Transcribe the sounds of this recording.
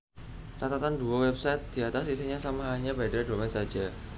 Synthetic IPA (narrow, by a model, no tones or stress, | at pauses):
t͡ʃat̪at̪and̪uɔwɛb̚sajt̪̚d̪̥iat̪asisiɲasamaɦaɲabadadomɛnsḁd͡ʒ̥a